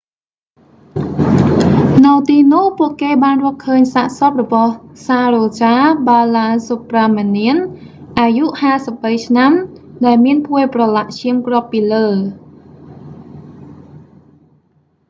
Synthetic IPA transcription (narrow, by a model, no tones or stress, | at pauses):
nɨwt̪iːnuhpuəʔkeːɓaːnrɔ̆əhkʰəːɲsaːʔsot̪̚rɔɓɑhsaːroːt͡ɕaːɓaːlaːsopraːmaniənʔaːjuʔhaːsəp̚ɓəjt͡ɕʰnamɗaɛlmiənpʰuəprɑlaʔt͡ɕʰiəmkrŏəpːiːləː